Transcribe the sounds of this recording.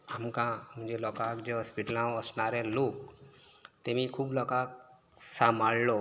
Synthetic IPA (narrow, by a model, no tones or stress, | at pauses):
əmkãmʊ̃d͡ʒelɔkakd͡ʒeɦɔspiʈlãəsnaːɾẽloːk | t̪emĩkʰuːblɔːkak̚samallo